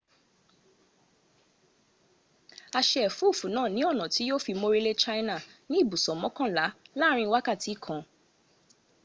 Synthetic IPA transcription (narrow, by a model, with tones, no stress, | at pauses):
a˧ʃɛ˦ɛ˨fu˦˨fũ˨nãː˦˨nĩ˨˦ɔ˦˨nã˨ti˨˦jo˦fi˧mo˧ɾe˦le˦t͡ʃa˦jna˦˨nĩ˦i˦˨bu˨sɔ̃˨mɔ̃˦kã˦˨la˨˦la˦ɾ̃ĩ˧wa˦ka˦˨ti˨˦˨kʰã˨